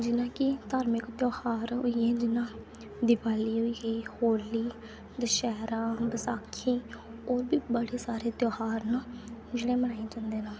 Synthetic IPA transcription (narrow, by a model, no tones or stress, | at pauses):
d͡ʒɪnãːkɪt̪aːɾmɪkt̪joːhaːɾɦo̰iɛːd͡ʒɪnãː | d̪ɪpaːliːɦʊiːeːhoːliː | d̪əʃɛːɾãːbəsaːkʰːĩːoːɾbiːbəɽeːsaːɾeːt̪joːhaːɾnaːd͡ʒeːɽẽːmənaːeːd͡ʒãːnd̪eːnãː